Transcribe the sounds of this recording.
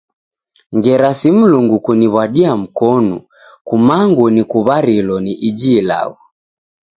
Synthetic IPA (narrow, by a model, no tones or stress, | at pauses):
ŋɡɛɾasim̩luŋɡukuniβaɗiam̩kɔnṵ | kumaŋɡunikuβaɾilɔniʔid͡ʒiːla̰ɣu